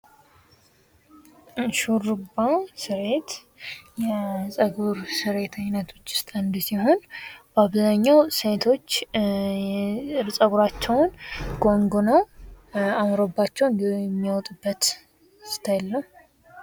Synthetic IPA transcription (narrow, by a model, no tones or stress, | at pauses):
ʃurɨbasɨɾet̪ | jɛsʼəɡuɾsɨɾe̞t̪ʰaɲnət̪ʰo̞t͡ʃːɪ̥st̪ʼand̪siho̞nb̥aβzaɲːawset̪ʰo̞t͡ʃː | ɾsʼəɡuɾat͡ʃːɛwnɡo̞ŋɡonəw | amɾobːat͡ʃːɛwnɛmːiwt̪ʼɨbːət̪ | st̪ʰajɛlːəh